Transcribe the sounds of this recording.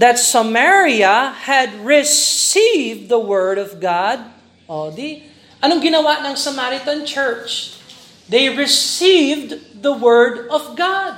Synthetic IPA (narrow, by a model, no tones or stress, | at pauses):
ðɐt̪sɐmɛɹiɐhɐd̪̚ɹɪssivðɐwɜɹdɔvɡɑd̪̚ | ʔod̪i | ʔɐnoŋɡɪnɐwanɐŋsɐmaɾɪt̪ɐnt͡ʃɛɹt͡ʃ | d̪ejɹɪsivd̪ðɐwɜɹd̪ɔvɡad̪̚